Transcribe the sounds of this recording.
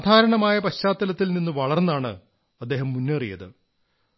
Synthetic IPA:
aːd̪ʱaːɾɐɳɐmaːjɐpɐɕaːt̪ːɐlɐt̪ːilninːuʋɐɭɐrnːaːɳɨ̰ | ɐd̪ːe̞ːɦɐmːunːerḭjɐ̰ðɨ

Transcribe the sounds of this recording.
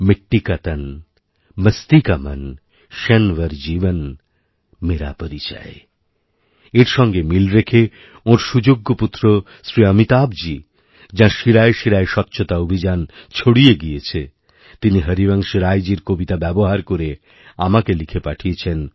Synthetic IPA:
meʈːikat̪an | məst̪ikama̰n | ʃɛnʋəɾd͡ʑibən | meɾa̰poɾit͡ɕa̰e | eɾʃɔŋɡemilɾekʰe | oɾʃud͡ʑoɡːoput̪ːɾo | sɾiamit̪abd͡ʑi | d͡ʑãʃiɾaeʃiɾaeʃɔt̪ːɕʰot̪aobʱid͡ʑant͡ɕʰoɽijeɡijet͡ɕʰe | t̪iniɦəɾibaŋʃeɾajd͡ʑiɾkobit̪abɛboɦaɾkoɾe | a̰makelikʰepaʈʰiet͡ɕʰen

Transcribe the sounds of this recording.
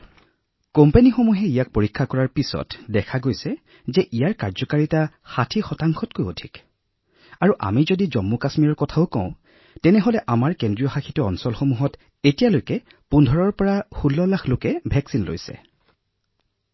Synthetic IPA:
kompenixomuɦɛijak̚poɹikʰːakɔɹaɹpisɔ̰tdɛkʰaɡojsɛ | zɛʔijaɹkaɹzɔkaɹita | xatʰixɔtaŋxʰɔt̚kojo̰dʱik | aɹuʔa̰mizodizɔmːukasmiɹɔɹkɔtʰaʊkɔ̰̃ʊ̃ | tɛnɛɦolɛʔamaɹkendɹijɔxaxʰitɔɔnsɔlxomuɦɔt | etijalojkɛ | pundʱɔɹɔɹpɔɹaxulːɔlaxlokɛbʱɛksinlo̰jsɛ̰

